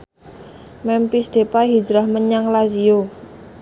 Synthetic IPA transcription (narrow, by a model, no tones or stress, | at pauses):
mɛmpisd̪̥e̤paɦid͡ʒɾahməɲaŋlazijo